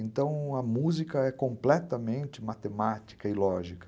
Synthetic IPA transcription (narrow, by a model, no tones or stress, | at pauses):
ẽnt̪ɐ̃w̃ɐmuzikɐɛkõmplɛt̪ɐmẽnt͡ʃɪmat̪emat͡ʃi̥kɐɪlɔʒikɐ̥